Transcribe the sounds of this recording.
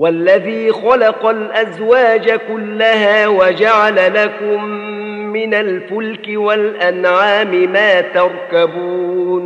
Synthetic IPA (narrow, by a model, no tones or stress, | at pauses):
walːaðiːxɑlɑqɑlʔazwaːd͡ʒakʊlːahaːwad͡ʒaʕalalakʊmː | ɪnalbʊlkɪwalʔanʕaːmɪmaːt̪ɑɾˤkabuːn